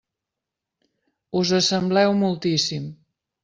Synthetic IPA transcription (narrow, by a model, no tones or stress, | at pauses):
uzəsəmblɛwmulˠt̪isim